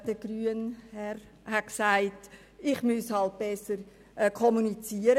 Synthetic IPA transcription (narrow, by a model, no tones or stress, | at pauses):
d̥əɡ̥ryːənhɛɾ | hatksaɪt | ɪχmyshɑlt̚b̥ɛsəɾ | ʔkʰɔmunit͡siəɾə